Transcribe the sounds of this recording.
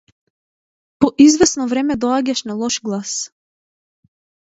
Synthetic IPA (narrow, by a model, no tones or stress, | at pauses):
pɔʔizvɛsnɔvɾɛmɛd̪ɔaɟaʃnalˠɔʃɡlˠas